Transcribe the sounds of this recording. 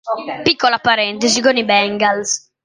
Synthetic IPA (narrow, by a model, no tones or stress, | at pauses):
pikːɔlapːaɾɛnt̪ɛzikɔnibɛŋɡals